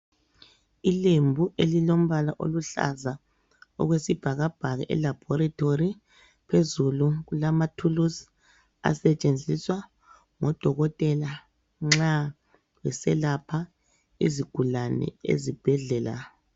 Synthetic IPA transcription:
ilembʱuʔelilom̩βalaʔo̰luɬa̰za | ɔ̰ɣwesib̥ʱaɣab̥ʱaɣɛʔɛ̰lab̥ʱɔɾatʰori | pʰezuluɣulamatʰulus | a̰sɛt͡ʃʼend͡zʱiswa | ŋɔd̥ʱɔɣɔtʼɛla | ŋ͡ǁa | wɛsɛlapʰa | ḭziɡ̥ʱulanɛ̰ḛzib̥ʱɛɮɛːla̰

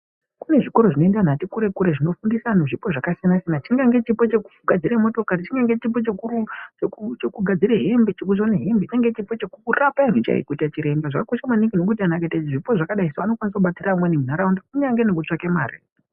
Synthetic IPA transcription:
kune̞ʐiko̞ɾo̞ʐino̞endan̤atikuɾe̞kuɾeʐino̞fundisanoʐipo̞ʐakasianasinat͡ʃiŋɡaŋɡe̞t͡ʃipot͡ʃekuɡʱad͡ziɾemo̞to̞karit͡ʃiŋɡaŋɡet͡ʃipo̞t͡ʃekuu | t͡ʃekuɡʱad͡ziɾeɦembit͡ʃikuzoneɦembit͡ʃaŋɡe̞t͡ʃipo̞t͡ʃekukurapainwet͡ʃa̰ḭkutat͡ʃiɾe̞mbaʐakakoʃamwaniŋɡino̞k̬ut̬ianaketaiʐipo̞ʐakaɗaisaano̞kwanis̬akuɓatiɾamwenimunaɾaundakuɲaŋɡenokut͡ʂakemaːrḛ

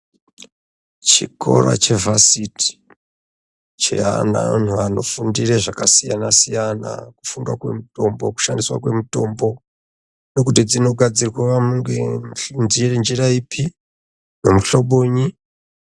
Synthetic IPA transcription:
t͡ʃikʰo̰ɾa̰t͡ʃe̞vasiti̥ | t͡ʃḛana̰n̤uano̞fundireʐakasijanasijana̰kufundwa̰kwe̞̰muto̞mbo̞ku̥ʃandiswa̰kwe̞muto̞mbo̞ | nokutid͡zino̞ɡʱad͡zirwaʋamuŋɡeɬnd͡ʒirend͡ʒiraipʰi | nomuɬoɓoːɲi

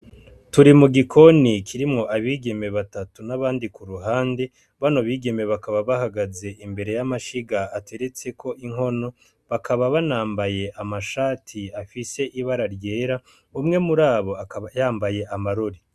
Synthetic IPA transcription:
tuɾimuɡikʰo̞nikʰiɾimŋo̞ʔaβiːɡe̞me̞βatatunaβaːndikuɾuɦaːnde̞ | βano̞βiːɡe̞me̞βakaβaβahaɡaze̞ʔimbe̞ɾe̞jamaʃiɡaːtʰe̞ɾe̞t͡se̞kʰo̞ʔiŋɦo̞no̞ | βakʰaβaβanaːmbaje̞ʔamaʃaːtʰiafise̞ʔiβaɾaɾje̞ːɾa | umŋe̞muɾaːβo̞ajaːmbaje̞ʔamaɾo̞ɾi

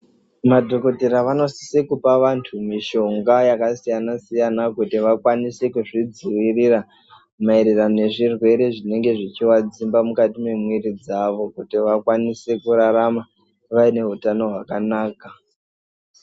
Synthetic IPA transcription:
madʱo̞ko̞teɾaʋano̞si̥sekupaʋantʰumiʃo̞ŋɡajakasijanasijanakutiʋakwanise̞kuʐid͡ziwirira | maiɾirane̞ʐirwe̞ɾe̞ʐine̞ŋɡe̞ʐit͡ʃiwad͡zimbamukatime̞mwiɾid͡zaʋo̞kutiʋakwanise̞kuɾaɾama | ʋaine̞ɦutano̞ɦwakanaːka

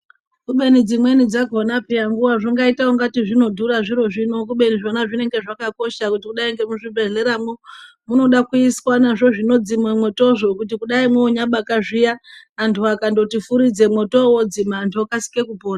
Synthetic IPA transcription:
kuɓe̞nid͡zimwe̞nid͡zaɡʱonapijaŋɡuʋaʐiŋɡaitaoŋɡatiʐino̞dʱuɾaʐiɾo̞ʐino̞k̬uɓe̞niʐonaʐine̞ŋɡe̞ʐakako̞ʃakutikuɗaiŋɡemuʐibʱe̞ɮe̞ɾamo | muno̞ɗakuiswanaʐo̞ʐino̞d͡zimwemwo̞to̞ʐo̞kutikuɗaimuoɲaɓakaʐijaː | ntʰuakando̞tifuɾid͡ze̞mwo̞to̞wo̞d͡zimantʰuokasi̥ke̞kupoːna

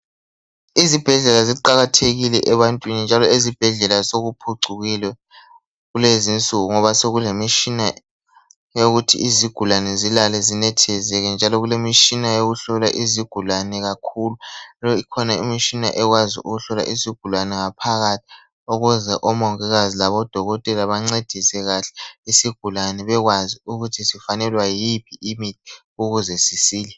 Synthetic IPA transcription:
izib̥ʱɛɮɛlaziǃaɣatʰeɣilɛʔɛβantʼwinind͡ʒʱalɔezib̥ʱɛɮɛlasoɣupʰuǀʱuɣilɛ | ɣulezint͡sʼuɣuŋɔβaseɣulemit͡ʃina | joɣutʰḭʔiziɡ̥ʱulanɛzilalɛzinɛtʰɛzɛɣɛnd͡ʒʱalɔɣulemit͡ʃʼinajoɣuɬɔlaʔiziɡ̥ʱulanɛɣakʰululɔikʰɔnaimit͡ʃina̰ʔɛɣwazḭʔṵɣuɬɔla̰ʔiziɡ̥ʱulanɛŋapʰaɣatʰi̥ | oɣuzɛʔɔmɔŋɛɣazilaβɔd̥ʱɔɣɔtʼɛlaβaŋ͡ǀed̥ʱisɛɣaɬɛ̥isiɡ̥ʱulanɛβɛɣwaziuɣutʰisifanɛlwajipʰiimitʰi̥ | uɣuzɛsisiːlɛ

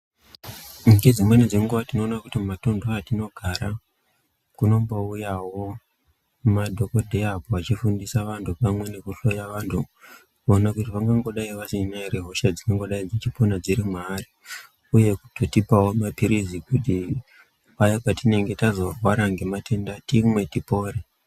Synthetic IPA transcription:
miɡed͡zimwe̞ned͡zeŋɡuʋatino̞ːnakutimmato̞ndʱoatino̞ɡʱaɾa | kuno̞mbo̞ujawo̞ | madʱo̞ko̞dʱeapoat͡ʃifundisaʋantʰupamwe̞ne̞kuɬo̞jaʋantʰu | konakutiʋaŋɡaŋɡo̞ɗaiʋasinaireɦo̞ʃad͡zikaŋɡo̞ɗaid͡zit͡ʃipo̞nad͡ziɾimwaːri | uje̞kutotipawo̞mapiɾizikuti | pajapatine̞ŋɡe̞tazo̞rwaɾaŋɡe̞mate̞ndatimwe̞tipo̞ːre

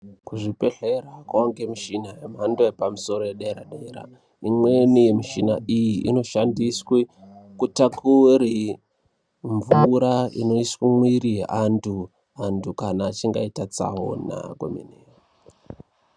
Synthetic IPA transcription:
kuʐipeɬeɾakwaoŋɡemiʃinajemandoepamuso̞ɾojeɗaɾaɗeɾa̰ | imwenije̞miʃina̰ʔijiḭno̞ʃandiswe | kutakuɾi | ɱvuɾaḭno̞iswimwiɾiantʰu | antʰukanaːt͡ʃiŋɡaitat͡sa̰ɦo̰na̰kwo̰mḭneːra

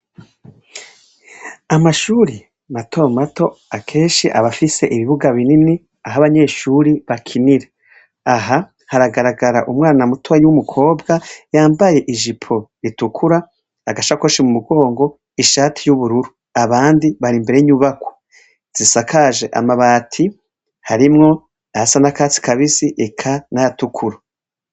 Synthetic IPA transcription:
amaʃuɾi | matʰo̞mato̞akʰe̞ːnʃiʔaβafise̞ʔiβiβuɡaβinimni | aɦaβaɲe̞ːʃuɾiβakʰiniɾe | aɦa | haɾaɡaɾaɡaɾa̰ʔumŋaːnamutʰowajwumukʰo̞ːbɡajaːmbaje̞ʔiʒipʰo̞ɾitukʰuɾaː | ɡaʃakoʃemumuɡo̞ːŋɡo̞ | iʃaːtʰi̥juβuɾuɾu | aβaːndiβaɾimbe̞ɾeɲuβakwo̥ | z̥isakʰaʒeʔa̰maβaːtʰi | haɾimŋo̞ | aasanakaːt͡si̥kaβisiʔekʰanajatukʰuɾo

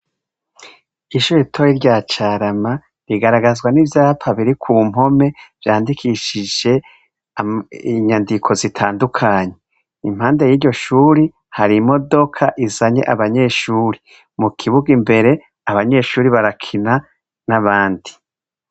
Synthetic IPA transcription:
iʃuːɾitʰojiɾɟaːt͡ʃaːɾama | ɾiɡaɾaɡazɡwanivjaːpʰaβiɾikʰuːm̥ɦo̞me̞v̥jaːndikʰiʃid͡ʒe̞ | iɲandikʰo̞zitʰaːndukʰaːɲe̞ | ḭm̥haːnde̞jiːɾɟo̞ʃuːɾi | haɾimo̞do̞kʰaʔizaɲe̞̰ʔaβaɲe̞ːʃuːɾi | mukʰiβuɡimbe̞ɾe̞ | aβaɲe̞ːʃuːɾiβaɾakʰina | naβaːndi̥

